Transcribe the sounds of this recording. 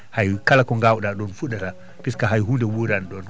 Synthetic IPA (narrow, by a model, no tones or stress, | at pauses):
hajkalakɔŋɡawɗaɗɔnfuɗata | piskaɦajɦundɛwuɾanɗɔn